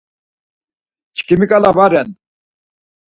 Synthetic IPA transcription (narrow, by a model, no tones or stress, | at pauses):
t͡ɕʰkimikʼalavaɾɛn